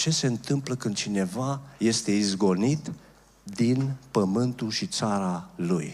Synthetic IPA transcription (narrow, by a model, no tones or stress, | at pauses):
t͡ʃe̞se̞ɨnt̪ɨmpləkɨnd̪̚t͡ʃine̞vaje̞st̪e̞izɡo̞nit̪ | d̪inpəmɨnt̪ulʃit̪saɾaluj